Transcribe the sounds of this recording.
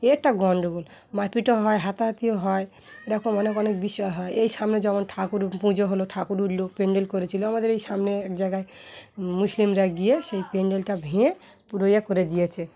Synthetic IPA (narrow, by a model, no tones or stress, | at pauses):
eɛk̚ʈaɡɔɳɖoɡul | mapiʈoɦɔeɦat̪aɦat̪ioɦɔe | eʈakʰomɔnekɔnek̚biʃɔjɦɔeejsamned͡ʒɔmɔnʈʰakuɾpũd͡ʒoɦoloʈʰakuɾuɾlopeɳɖelkoɾet͡ʃʰiloamad̪eɾejsamneɛkd͡ʒaɡae | muslimɾaɡieʃejpeɳɖelʈabʱĩẽpuɾojakoɾed̪ijet͡ʃʰe